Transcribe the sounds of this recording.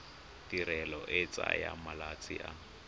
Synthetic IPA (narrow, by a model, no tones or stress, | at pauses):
tiɾɛlɔʔɪt͡sʼaja̰malat͡sʼḭʔa